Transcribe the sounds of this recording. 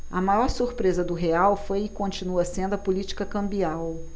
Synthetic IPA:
ɐmajɔɾsuɾpɾezɐd̪ʊɦeawfojɪkõnt͡ʃinuɐsẽnd̪ʊɐpolit͡ʃi̥kɐkɐ̃mbiaw

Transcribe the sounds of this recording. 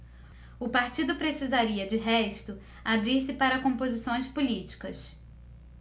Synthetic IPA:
ʊpaɾt͡ʃid̪ʊpɾesizaɾiɐd͡ʒɪɦɛʃt̪ʊ | abɾiɾsɪpaɾɐkõpozisõj̃spulit͡ʃi̥kɐs

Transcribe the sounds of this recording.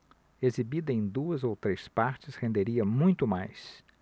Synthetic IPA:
ezibid̪ɐẽj̃d̪uɐzowt̪ɾejspaɾt͡ʃɪshẽnd̪eɾiɐmũj̃t̪ʊma̰js

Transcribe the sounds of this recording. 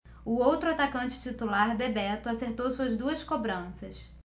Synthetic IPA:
ʊowt̪ɾʊat̪akɐ̃nt͡ʃɪ̥t͡ʃit̪ulaɾbebɛɾt̪ʊaseɾt̪owsuɐzd̪uɐskobɾɐ̃sɐs

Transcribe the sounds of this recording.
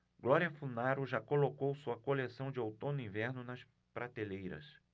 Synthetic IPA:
ɡ̥lɔɾiɐfunaɾʊʒakolokowsuɐkolesɐ̃w̃d͡ʒɪowt̪õnʊĩvɛɾnʊnɐs | pɾat̪elejɾɐ̰s

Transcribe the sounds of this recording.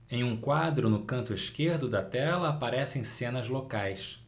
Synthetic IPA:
ẽj̃ũkwad̪ɾʊnʊkɐ̃nt̪ʊɪʃkeɾd̪ʊd̪ɐt̪ɛlɐːpaɾɛsẽj̃sẽnɐzlokajs

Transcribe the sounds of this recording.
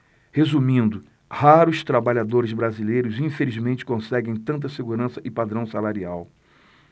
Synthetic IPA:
hezumĩnd̪ʊ | haɾʊst̪ɾabaʎad̪oɾɪzbɾazilejɾʊzĩfelizmẽnt͡ʃɪ̥kõsɛɡẽj̃t̪ɐ̃nt̪̬ɐseɡuɾɐ̃sɐʔɪpad̪ɾɐ̃w̃salaɾiaw

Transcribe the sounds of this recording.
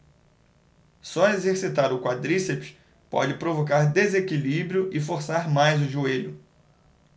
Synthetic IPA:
sɔezeɾsit̪aɾʊkwad̪ɾisepʃ | pɔ̰d͡ʒɪpɾovokaɾd̪ezekilibɾiʊʔɪfoɾsaɾmajzʊʒueʎʊ

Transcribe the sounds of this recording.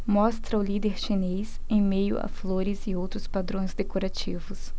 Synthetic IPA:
mɔst̪ɾɐʊlid̪eɾʃinez | ẽj̃mejʊ̰a̰floɾɪzɪowt̪ɾʊspad̪ɾõj̃zd̪ekoɾat͡ʃivʊs

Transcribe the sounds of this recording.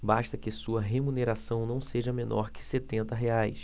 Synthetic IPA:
baʃt̪ɐkɪsuɐɦemuneɾasɐ̃w̃nɐ̃w̃seʒɐmenʔɔ̰ɾkɪ̥set̪ẽnt̪ɐɦeajs

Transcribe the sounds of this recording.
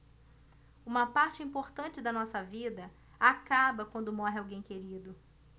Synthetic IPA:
ũmɐpaɾt͡ʃɪĩpoɾt̪ɐ̃nt͡ʃɪd̪ɐnɔsɐvid̪ɐ | akabɐkwɐ̃nd̪ʊmɔɦɪawɡẽj̃keɾid̪ʊ

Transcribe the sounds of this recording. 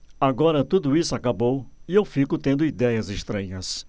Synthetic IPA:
aɡɔɾɐt̪ud̪ʊisʊakabowiewfikʊt̪ẽnd̪ʊid̪ɛjɐzeʃt̪ɾɐ̃ɲɐs

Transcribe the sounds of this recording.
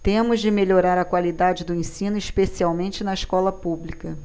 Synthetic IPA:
t̪ẽmʊzd͡ʒɪmeʎoɾaɾɐkwalid̪ad͡ʒɪd̪ʊẽsĩnʊiʃpesiawmẽnt͡ʃɪnɐiʃkɔlɐpublikɐ

